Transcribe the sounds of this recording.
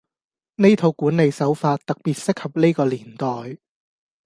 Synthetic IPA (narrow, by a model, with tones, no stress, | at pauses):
ne˥jt̪ʰo˧wkuː˨˥ne˨˧jsɐ˨˥wfaː˧t̚t̪ɐ˨k̚piː˨˩t̚sɪ˥k̚hɐ˨p̚ne˥jkɔː˧liː˨˩nt̪ɔː˨j